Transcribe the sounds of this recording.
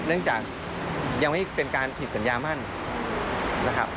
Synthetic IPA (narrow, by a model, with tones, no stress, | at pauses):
nɯ˥˩əŋt͡ɕaː˨˩k̚ | ja˧ŋma˥˩jpe˧nkaː˧npʰi˨˩t̪̚sa˩˦njaː˧ma˥˩n | na˦˥kʰa˦˥p̚